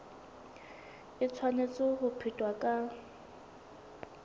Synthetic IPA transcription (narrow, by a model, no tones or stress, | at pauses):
ɪt͡sʰwanet͡sʼʊhʊpʰitʼwakʼa